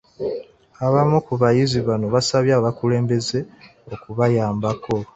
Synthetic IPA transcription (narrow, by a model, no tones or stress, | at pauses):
aβamukuβajiziβano̞βasaβjaːβakule̞ːmbe̞ze̞okuβajaːmbako̞